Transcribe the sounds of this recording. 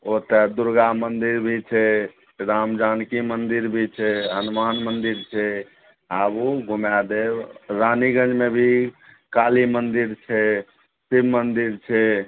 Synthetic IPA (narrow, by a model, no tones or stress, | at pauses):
ot̪ɛd̪uɾɡamənd̪iɾbʱit͡ʃʰɛ | ɾamd͡ʒankimənd̪iɾbʱit͡ʃʰɛɦənmanmənd̪iɾt͡ʃʰɛ | abuɡʱumad̪ebɾaniɡə̃d͡ʒmebʱi | kalimənd̪iɾt͡ʃʰɛ | sibmənd̪iɾt͡ʃʰɛ